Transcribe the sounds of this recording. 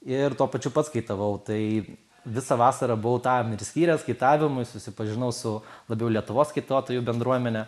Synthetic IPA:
ɪɾt̪uɔpɐt͡ʃʲʊpɐt̪skɐɪt̪ɐʋɐʊt̪ɐɪ | ʋʲɪsɐʋɑːsɐɾɐbʊʊt̪ɑːmɪɾsʲkʲiːɾʲɛskɐɪt̪ɑːʋʲɪmʊɪsʊsʲɪpɐʒʲɪnɐʊsʊlˠɐbʲɛʊlʲiɛt̪ʊʋoːsskɐɪt̪oːt̪oːjʊbʲɛnd̪ɾuɔmʲɛnʲɛ

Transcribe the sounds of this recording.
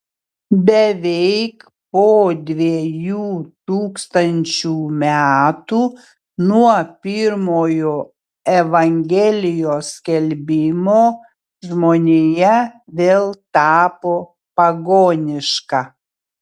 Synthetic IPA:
bʲɛʋʲɛɪk | poːd̪ʲʋʲijuːt̪uːkst̪ɐnʲt͡ʃʲuːmʲæːt̪uː | nuɔpʲɪɾmoːjoː | ɛʋɐŋʲɡʲɛlʲɪjoːskʲɛlʲbʲɪmoː | ʒmoːnʲejɛʋʲeːlˠt̪ɑːpoː | pɐɡoːnʲɪʃkɑ

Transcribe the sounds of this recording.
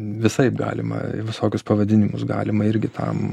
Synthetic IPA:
ʋʲɪsɐɪpɡɑ̰ːlʲɪmɐ̰ʋʲɪsoːkʲʊspɐʋɐd̪ʲɪnʲɪmʊsɡɑ̰ːlʲɪmɐɪɾʲɡʲɪt̪ʰɐ̰m

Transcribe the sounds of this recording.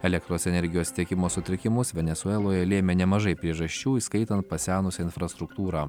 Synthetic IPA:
ɛlʲɛk̚t̪ɾoːsɛnʲɛɾʲɡʲɪjoːst̪ʲiɛkʲɪmoːsʊt̪ʲɾʲɪkʲɪmʊsʋʲɛnʲɛsʊɛlˠoːjɛlʲeːmʲeːnʲɛmɐʒɐɪpʲɾʲiɛʒɐsʲt͡ʃʲuːiskɐɪt̪ɐnt̪̚pɐsʲæːnʊsʲɛɪnfɾɐst̪ɾʊkt̪uːɾɑː

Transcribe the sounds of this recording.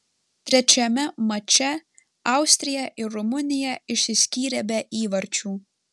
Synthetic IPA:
t̪ʲɾʲɛt͡ʃʲɛmʲɛmɐt͡ʃʲɛ | ɑˑʊsʲt̪ʲɾʲɪjɛʔɪɾɾʊmʊnʲɪjɛɪʃʲsʲɪsʲkʲiːɾʲɛbʲɛʔiːʋɐɾʲt͡ʃʲuː

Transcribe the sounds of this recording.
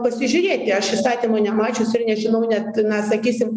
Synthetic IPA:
pɐsʲɪʒʲʊɾʲeːt̪ʲɪɐʃʋʲɪst̪ɑːt̪ʲɪnoːnʲɛmɑːt͡ʃʲʊsɪɾnʲɛʒʲɪnɐʊnʲɛt̪nɐsɐkʲiːsʲɪm

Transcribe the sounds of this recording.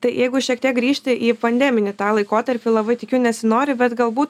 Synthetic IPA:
t̪ɐɪjɛɪɡʊʃʲiɛkt̪ʲiɛk̚ɡɾʲiːʃʲt̪ʲɪʔiːpɐnʲd̪ʲæːmʲɪnʲɪt̪ɑːlˠɐɪkoːt̪ɐɾʲpʲɪlˠɐbɐɪt̪ʲɪkʲɛʊnʲɛsʲɪnoːɾʲɪbʲɛt̪ɡɐlˠbuːt̪

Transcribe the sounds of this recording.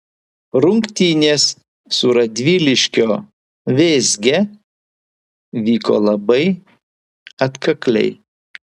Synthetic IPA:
ɾʊŋkt̪ʲiːnʲeːsː | ʊɾɐd̪ʲʋʲiːlʲɪʃʲkʲoː | ʋʲeːzʲɡʲɛ | ʋʲiːko̰ːlˠɐbɐɪ | ɐt̪kɐklʲɛ̰ɪ

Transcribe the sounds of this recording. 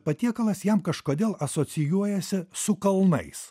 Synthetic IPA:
pɐt̪ʲiɛkɐlˠɐsjɛmkɐʃkoːd̪ʲeːlˠɐsoːt̪sʲɪjuɔjɛsʲɪsʊkɐlˠnɐ̰ɪs

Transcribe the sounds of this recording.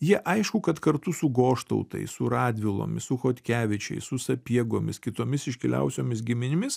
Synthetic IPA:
jiɛʔɐɪʃkʊkɐt̪kɐɾt̪ʊsʊɡoːʃt̪ɐ̰ʊt̪ɐ̰ɪsʊɾɑːd̪ʲʋʲɪlˠo̰ːmʲɪsʊxoːt̪ʲkʲæːʋʲɪt͡ʃʲɛ̰ɪsʊsɐpʲiɛɡoːmʲɪskʲɪt̪oːmʲɪsɪʃʲkʲɪlʲɛ̰ʊsʲoːmʲɪsɡʲɪmʲɪnʲɪmʲɪs

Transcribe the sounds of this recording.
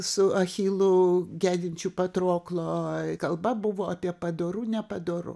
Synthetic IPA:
sʊɐxʲiːlˠʊɡʲæːd̪ʲɪnʲt͡ʃʲuːpɐt̪ɾoːklˠoːkɐlˠbɐbʊʋoːɑpʲiɛpɐd̪oːɾuːnʲɛpɐd̪oːɾʊ̰

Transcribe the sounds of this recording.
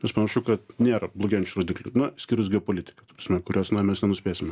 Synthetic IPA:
mʲɛspɐnɐʃʊkɐt̪nʲeːɾɐblˠoːɡʲɛːnʲt͡ʃʲuɾoːd̪ʲɪklʲʊnɐsʲkʲiːɾʊs̬ɡʲɛopoːlʲɪt̪ʲɪ̥kɐt̪ɐprɐsʲmʲɛkʊɾʲoːsnɐmʲɛsnʲɛnʊsʲpʲeːsʲɪmʲ

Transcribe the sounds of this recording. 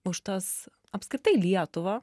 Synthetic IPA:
ʊʃt̪ɐs | ɐpskɾʲɪt̪ɐɪlʲiɛt̪ʊʋɐ

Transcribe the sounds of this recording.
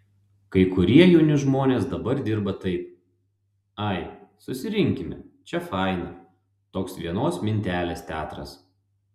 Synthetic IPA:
kɐɪkʊɾʲiɛjʊnʲɪʒmoːnʲeːsd̪ɐbɐɾd̪ʲɪɾbɐt̪ɐɪp̚ | ɐɪsʊsʲɪɾʲɪŋʲkʲɪmʲɛ̰t͡ʃʲɛfɐˑɪnɐ | t̪oːksʋʲiɛnoːsmʲɪnʲt̪ʲæːlʲeːst̪ʲæːt̪ɾɐ̰s

